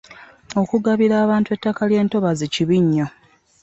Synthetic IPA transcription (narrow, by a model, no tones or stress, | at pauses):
o̞kuɡaβiɾaːβaːntue̞tːakalje̞ːnto̞βaziciβiɲːo